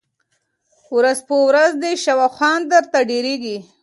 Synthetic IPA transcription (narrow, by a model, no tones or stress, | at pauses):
wɾazpəwɾazd̪eʃawaxʷwɑnd̪əɾt̪aɖeɾeɡi